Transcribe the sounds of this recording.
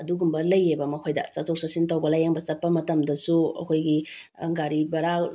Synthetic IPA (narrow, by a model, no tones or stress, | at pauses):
ɐduɡumbɐlɐjːebɐmɐkʰojdɐ̰t͡ʃatok̚sasintowbɐlajaŋbɐt͡ʃɐt̚pːɐmɐtɐmdɐsuɐ̰kʰojɡi | ɐŋɡaɾibɐɾa